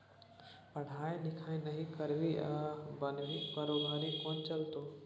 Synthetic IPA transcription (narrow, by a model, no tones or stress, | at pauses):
pɐɽ̤ʱaːẽnɪkʰaːẽnɐɦĩkɐɾʋiʔabɐnʋipɐɾoːbʱaːɾĩkoːnt͡ʃɐlt̪oː